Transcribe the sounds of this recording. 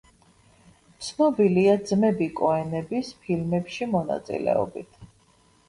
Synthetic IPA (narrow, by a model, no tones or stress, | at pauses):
t̪sʰnɔbiliad̪zmɛbikʼɔɛnɛbispʰilmɛpʃimɔna̰t̪sʼḭlɛ̰ɔ̰bḭt̪ʰ